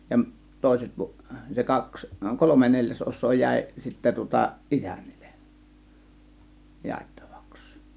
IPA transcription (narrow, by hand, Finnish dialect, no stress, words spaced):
jɑmʔ toˑe̝set pu se kɑks kolome nelʲjæsʔosˑoː jæˑe̝ sitːæ tŭŏtɑ ʔisæ̥n̥ːi̥l̥ˑe̥ jɑˑetːɑ̥ʋ̥ɑ̥ks